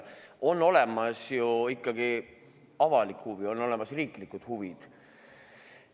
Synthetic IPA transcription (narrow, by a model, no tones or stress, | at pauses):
o̞nːo̞le̞mɑsjuikˑːɑɡ̥i | ɑvɑlikhuvio̞nːo̞le̞mɑsriːklikud̪̥huvid̪̥